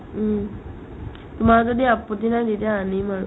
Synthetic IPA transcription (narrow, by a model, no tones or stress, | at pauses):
t̪umazodiapːot̪inadetijaːnimaɹ